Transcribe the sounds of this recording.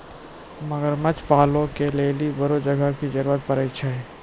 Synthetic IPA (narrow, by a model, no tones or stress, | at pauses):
mɐɡəɾmət͡ʃpaːlõkeleːlibɐɾod͡ʒɐɡəkid͡ʒɐɾuːɾət̪̚pɐɾeːʃʰaɦɛː